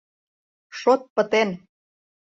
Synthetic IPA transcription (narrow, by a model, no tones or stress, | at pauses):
ʃot̪̚pə̆t̪en